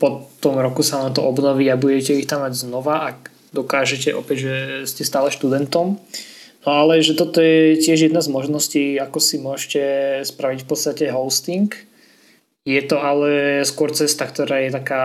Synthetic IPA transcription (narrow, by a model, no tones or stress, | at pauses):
pɔtt̪ɔmɾɔkusanant̪ɔʔɔbnɔʋiːabuɟɛcɛixt̪amːaɟznɔʋaʔaɡ | d̪ɔkaːʒɛcɛʔɔpɛɟʒɛscɛst̪aːlɛʃt̪ud̪ɛnt̪ɔmnɔalɛʒɛt̪ɔt̪ɔjɛcɪɛʒjɛd̪nazmɔʒnɔsciːakɔsimʊɔʒcɛspɾaʋicfpɔt̪st̪acɛɦɔʊst̪iŋk | jɛt̪ɔalɛskʊɔɾt͡sɛst̪akt̪ɔɾaːjɛt̪akaː